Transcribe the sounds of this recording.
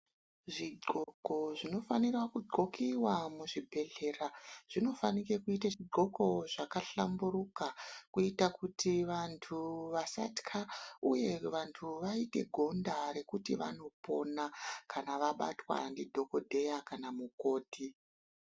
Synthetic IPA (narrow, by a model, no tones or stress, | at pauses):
ʐiɡ͡ǃo̞ɡʱo̞ʐino̞fanirwakuɡ͡ǃo̞kiwamuʐibʱe̞ɮe̞raʐ̥ino̞fanike̞kuitaʐiɡ͡ǃʱo̞ko̞ʐakaɬamburukakuitakutʰiʋantʰuʋasa̰tkʰauje̞ʋantʰuʋaite̞̰ɡʱo̞ndaɾe̞kutiʋa̰no̞po̞nakanaʋaɓa̰twa̰ndidʱo̞ko̞dʱe̞jakanamuko̞ːdʱi